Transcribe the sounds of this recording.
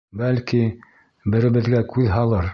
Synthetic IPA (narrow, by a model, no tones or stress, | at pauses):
bælki | bɘ̆ɾɘ̆βɘ̆ðɡækʉðɦɑlˠɤɾ